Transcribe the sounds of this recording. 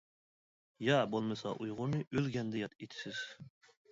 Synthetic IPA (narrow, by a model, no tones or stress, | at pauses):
jɑbolˠmɨsɑʔujʁʊɾnɨʔølɡʲɛnd̪ɛjɑt̪et̪ʰɪ̥sɪz̥